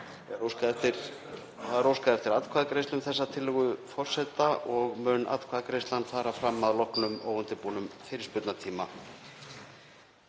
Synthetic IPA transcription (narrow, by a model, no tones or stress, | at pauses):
ɛɾowskaɛft̪ɪɾ | θaðɾowskaðɛft̪ɪɾat̪kʰvaːðakɾejst̪ʏmθɛsːat̪ʰɪlːʏɣʏfɔr̥sɛt̪aʔɔɣmʏnʔa̰t̪kʰaːðakɾejst̪lanθaɾafɾamːaðlɔhknʏmoːwʏnt̪ɪpuːnʏmfɪɾspʏt̪nat̪ʰiːma